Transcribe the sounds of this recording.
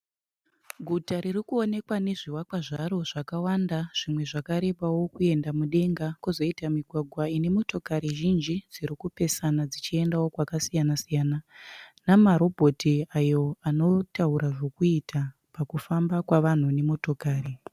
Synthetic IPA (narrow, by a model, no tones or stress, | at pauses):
ɡʱutaɾirikuo̞ne̞kwane̞ʐiwakwaʐaɾo̞ʐakawandaʐ̥imwe̞ʐakaɾe̞ɓawo̞kue̞ndamuɗe̞ŋɡakuzo̞itamiɡʱwaɡʱwaine̞mo̞to̞kaɾiʒind͡ʒid͡ziɾikupe̞sanad͡zit͡ʃie̞ndawo̞kwakasijanasijaːnanamaɾo̞bʱo̞tʰiajo̞ano̞tauɾaʐo̞kuitʰa | pakufambakwaʋan̤une̞mo̞to̞kaːɾi